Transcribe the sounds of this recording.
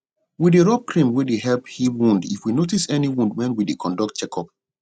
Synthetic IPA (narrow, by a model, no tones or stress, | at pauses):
wideɹɔb̚kʰɾĩmwideɦɛlphiwũndḭfwinotisɛniwũndwɛ̃nwidekʰɔ̃ndɔk̚t͡ʃɛkʰɔp̚